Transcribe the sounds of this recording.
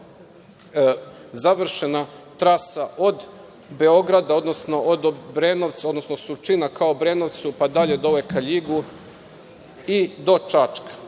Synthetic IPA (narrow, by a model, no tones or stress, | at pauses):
zaʋr̩ʃenat̪ɾasaʔo̞d̪ | be̞o̞ɡɾad̪ao̞d̪nosno̞od̪bɾenoʋt̪so̞d̪nosnosut͡ʃinakʰaobɾeno̞ʋt̪supad̪aʎe̞d̪oʋekaʎiɡu | id̪o̞t͡ʃat͡ʃkḁ